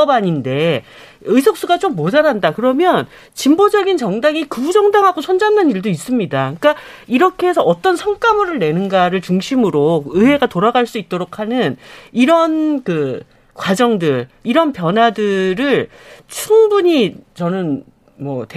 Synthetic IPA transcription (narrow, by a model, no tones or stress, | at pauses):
baɲinde̞ | ɯjs̬ʰok̚s͈uɡat͡ɕ͈omːod͡ʑaɾandakɯɾʌmjʌn | t͡ɕimbod͡ʑʌɡint͡ɕʌŋdaŋikuud͡ʑʌŋdaŋɦaɡot͡ɕʰʌnd͡ʑannɯniɭdois͈ɯmɲidak͈aiɾʌkʰesʰʌːt͈ʌnsʰʌŋk͈amɯɾɯɭne̞nɯnɡaɾɯɭt͡ɕuŋɕʰimɯɾok̚ɯɦe̞ɡatoɾaɡaɭs͈uit̚t͈oɾokʰanɯniɾʌnkɯ | kwad͡ʑʌŋdɯɭiɾʌnpjʌnɦwadɯɾɯɭ | t͡ɕʰuŋbuɲit͡ɕʌnɯn | mwʌt